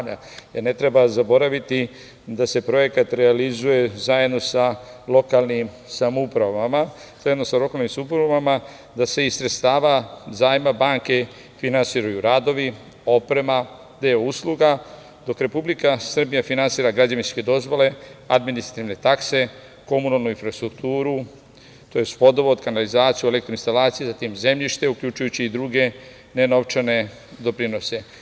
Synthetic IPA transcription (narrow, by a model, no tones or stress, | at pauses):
a | jeɾne̞t̪ɾe̞bazabo̞ɾaʋit̪i | d̪ase̞pɾo̞je̞kat̪ɾealizuje̞zaje̞d̪no̞salo̞kalnim | samoupɾaʋama | z̥ajed̪no̞salo̞kalnimsamupɾaavama | d̪ase̞isɾet̪st̪aːʋazaːjmabaŋke̞ | finansiːɾajuɾad̪o̞ʋi | o̞pɾe̞ma | d̪eousluɡa | d̪o̞kɾe̞publikasr̩bijafinansiːɾaɡɾad͡ʑaʋinske̞d̪o̞zʋo̞le̞ad̪minist̪ɾat̪iʋne̞t̪akse̞ | ko̞munalˠnuinfɾast̪ɾukt̪uːɾu | t̪o̞jest̪po̞d̪o̞ʋoːd̪kanalizaːt̪sijue̞lekt̪ɾoinst̪alaːt̪sijezat̪imze̞mʎiʃt̪e̞ukʎut͡ʃujut͡ɕiːd̪ɾuɡe̞ | ne̞no̞ʋt͡ʃene̞ | d̪o̞pɾino̞se̞